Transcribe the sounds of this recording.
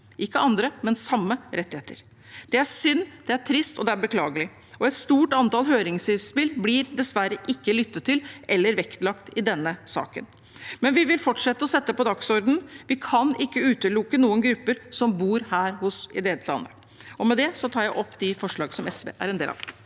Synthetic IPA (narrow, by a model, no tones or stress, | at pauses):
ʔɪkːəɑnd̪ɾəmɛnsɑmːəɾɛt̪ːɪheːt̪əɾ | d̪̥ɛæʂʏnːd̪ɛæʈʰɾɪst̪ɔd̪ɛæɾbəkʰlɑ̰ːɡəlɪ | ɔɛt̪st̪uːʈɑnt̪ɑːlɦøːɾɪŋsɪspɪlblɪɾd̪ɛsʋæɾəʔɪkːəlʏt̪ːət̪ʰːɪlɛlːəɾʋɛkt̪lɑkt̪ɪd̪ɛnːəsɑ̰ːkə̰n | mɛnʋɪʋɪlfɔʈʂɛt̪ːəɔsɛt̪ːəpɔd̪ɑksɔɾd̪n̩ʋɪkʰɑnɪkːəʉːt̪əlʊkːənuːənɡɾʉpːəɾsɔmbuːɾhæːɾhʊsɪ̰d̪eːt̪ʰlɑ̰nd̪ə | ɔmɛd̪ɛsɔt̪ʰɑːɾjæɪʔɔpːd̪ɪfɔʂɭɑːɡsɔmɛsʋḛːʔæ̰ɾɛnd̪ḛːlɑ̰ʋ